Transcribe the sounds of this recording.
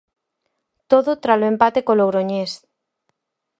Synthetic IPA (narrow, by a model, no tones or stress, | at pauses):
t̪oðʊt̪ɾaloempat̪ekolowɾoɲes